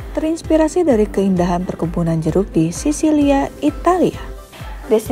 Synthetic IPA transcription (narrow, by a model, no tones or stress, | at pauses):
t̪əɾinspiɾasidaɾikəindaɦanpərkubunand͡ʒəɾup̚disisiliait̪alia | des